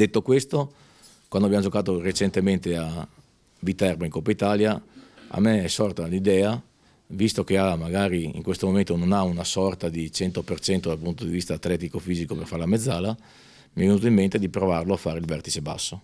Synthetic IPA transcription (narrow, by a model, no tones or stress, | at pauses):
d̪et̪ːokwest̪o | kwand̪abjamod͡ʒokaːt̪oret͡ʃent̪ement̪ea | vit̪ːɛrbaiŋkopːait̪aːljaa̰mːeɛsɔrt̪anid̪ɛːa | vist̪ok̟eamaɡaːɾiḭŋkwest̪omoment̪ononaunasɔrt̪ad̪it͡ʃɛnt̪opert͡ʃɛnt̪od̪alpunt̪od̪ivist̪aːt̪lɛːt̪ikofiːzikoperfaɾelamed̪zːaːla | miɛvenut̪oimːent̪ed̪ipɾovarloafːaːɾeilvɛrt̪i̥t͡ʃeba̰sːo